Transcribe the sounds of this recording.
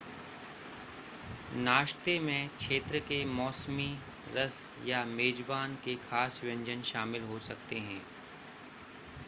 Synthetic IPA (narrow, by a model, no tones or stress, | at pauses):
naːʃt̪emẽkʃeːt̪ɾəkemɔːsmi | ɾəsjameːd͡ʒbaːnkexʰaːsʋjɐ̃ɲd͡ʒənʃaːmɪlɦosɐk̚t̪eɦɛ̃ː